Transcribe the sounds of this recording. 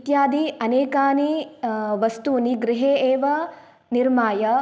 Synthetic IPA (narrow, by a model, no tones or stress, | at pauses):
t̪jaːd̪iɐneːkaːni | ʋɐst̪uːniɡɾɪɦeːeːʋɐ | niɾmaːjɐ